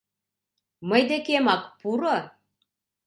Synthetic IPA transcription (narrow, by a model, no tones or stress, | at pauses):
mɤ̆jd̪ĕkemɑkpuɾɤ